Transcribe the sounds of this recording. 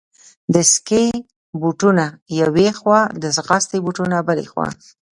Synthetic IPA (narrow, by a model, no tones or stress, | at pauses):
d̪əske | buʈunajawexwɑd̪əsɣɑst̪ebuʈunabəlḛxwɑ̰